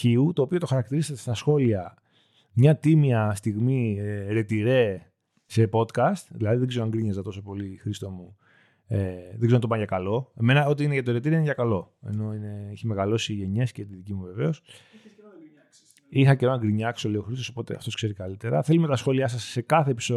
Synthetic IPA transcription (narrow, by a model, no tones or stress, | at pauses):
ciut̪o̞ːpio̞t̪o̞xɐɾɐkt̪iɾiseɐt̪est̪ɐsxo̞liɐ | mɲɐt̪imiɐst̪iɣmiɾe̞t̪iɾe̞ | se̞po̞t̪kɐst̪ðilɐðiðeɡzeɾoɐŋɡɾiɲɐzɐt̪o̞so̞po̞lixɾist̪o̞mu | eðeɡzenɐt̪opanʝɐkɐlo̞e̞me̞nɐo̞t̪̬iineʝɐt̪oɾet̪iɾiinʝɐkɐlo̞e̞̰no̞ine̞içimeɣɐlo̞siʝe̞ɲe̞sceɐt̪iðicimuveve̞os | ixɐceonɐŋɡɾiɲɐkso̞leoxɾist̪osopo̞t̪e̞̰ɐ̰ft̪o̞skse̞ɾikɐlit̪e̞ɾɐ̰θe̞lumet̪ɐsxo̞liɐs̬ɐsːe̞kɐθe̞ːpi̥so